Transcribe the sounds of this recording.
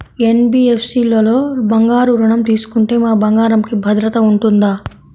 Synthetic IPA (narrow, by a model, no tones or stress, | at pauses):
enbiːefsiːloːlo̞ːbɐŋɡaːɾuɾɐɳɐmt̪iːsu̥kuɳʈeːmaːbɐŋɡaːɾɐmkibʱɐd̪ɾɐt̪ɐuɳʈund̪aː